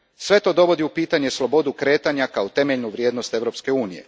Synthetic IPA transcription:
sʋe̞t̪o̞ːd̪o̞ʋo̞d̪iupiːt̪aɲeslo̞bo̞d̪ukɾe̞ːt̪aɲakaot̪e̞me̞ʎnuʋɾʲje̞ːd̪no̞st̪e̞ʋɾo̞pske̞uːnije̞̰

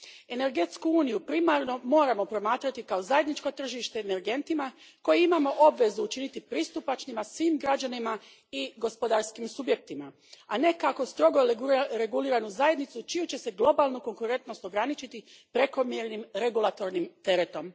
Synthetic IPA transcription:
e̞ne̞ɾɡe̞t̪skuuːnijupɾimaɾno̞mo̞ːɾamo̞pɾo̞maːt̪ɾat̪ikao̞zajed̪nit͡ʃko̞t̪r̩ʒiʃt̪e̞ene̞ɾɡe̞nt̪ima | ko̞jeimamo̞ʔo̞bʋe̞zuːt͡ʃinit̪ipɾiːst̪upat͡ʃnimasʋiːmɡɾad͡ʑanima | iɡo̞spo̞d̪aɾskimsubje̞k̚t̪ima | ane̞kako̞st̪ɾo̞ɡoɾe̞ɡuliːɾanuzaje̞d̪nit̪sut͡ʃijut͡ɕe̞se̞ɡlˠo̞balˠnuko̞ŋkuɾe̞nt̪no̞st̪o̞ɡɾanit͡ʃit̪i | pɾe̞ko̞mjeɾnimɾe̞ɡulˠat̪o̞ɾnimt̪e̞ɾe̞t̪o̞m

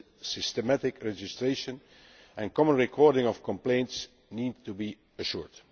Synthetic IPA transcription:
sɪstəmætɪkɹɛd͡ʒɪstɹeʃə̃n | ʔɛ̃nkɔmə̃nɹikʰɔːɹdɪ̃ŋɔfkɔ̃mplẽɪ̃nts | niːd̚tubi | əʃuɹd

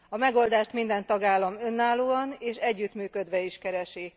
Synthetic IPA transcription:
ɒmɛɡo̞ld̪aːʃt̪mind̪ɛnt̪ɒɡaːlːɒmø̞nːaːloːɒneːʃɛɟːyt̪myːkø̞d̪ʋɛiʃkɛɾɛʃi

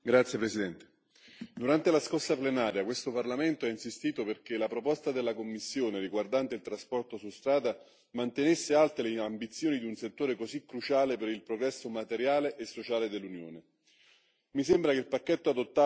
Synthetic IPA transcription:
ɡɾat̪sːjepɾesid̪ɛnt̪e̥ | d̪uɾant̪elaskorsaplenaːɾjakwest̪oparlament̪oainsist̪iːt̪operk̟elapɾopɔst̪ad̪elːakomːisːjoːneriɡward̪ant̪eilt̪ɾaspɔrt̪osust̪ɾaːd̪a | mant̪enesːealt̪eleambit̪sːjoːnid̪iunset̪ːoːɾekozikːɾut͡ʃaːlepeɾilpɾoɡɾɛsːomat̪eɾjaːleʔːsːot͡ʃaːled̪elːunjo̰ːne | misembɾakeilpakːet̪ːoad̪ot̪ːa

